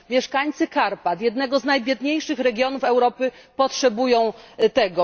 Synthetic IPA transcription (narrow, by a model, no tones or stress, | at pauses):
mʲjɛʂkaɲt̪sɘkaɾpat̪jɛd̪nɛɡɔznajbʲjɛd̪ɲejʂɘxɾɛɡʲjɔnufɛwɾɔpɘpɔtʂɛbujɔ̃w̃t̪ɛɡɔ